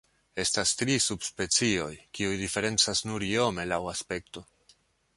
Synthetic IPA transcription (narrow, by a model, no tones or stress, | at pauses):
e̞stastɾisubspe̞t͡sio̞jkiujdife̞ɾe̞nt͡sasnuɾio̞me̞lawaspe̞k̚to̞